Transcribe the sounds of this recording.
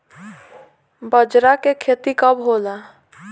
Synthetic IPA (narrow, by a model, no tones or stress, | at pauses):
bəd͡ʒɾakekʰeːt̪ikəbɦoːla